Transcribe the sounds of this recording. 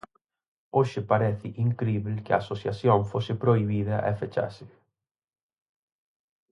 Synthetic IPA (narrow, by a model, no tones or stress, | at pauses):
oʃɪpaɾɛθɪʔiŋkɾiβlkɪɐ̰ːsoθjaθjoŋfosɪpɾoiβiðɐʔefet͡ʃa̰sɪ